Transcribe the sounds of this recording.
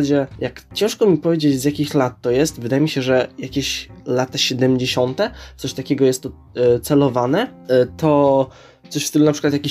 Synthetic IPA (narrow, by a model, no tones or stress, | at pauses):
d͡ʑɛjakt͡ɕɛ̃w̃ʂkɔmʲipɔvʲjed͡ʑet͡ɕzʲjakʲixlat̪ːɔjɛst̪vɘd̪ajɛmʲiɕɛʐɛjakʲeɕlat̪aɕɛd̪ɛmʲd͡ʑeɕɔnt̪ɛt̪sɔɕt̪akʲɛɡɔjɛst̪ːɔ | t̪sɛlɔvanɛt̪ɔ | t̪sɔɕft̪ɘlunapʂɨkwat̪jakʲi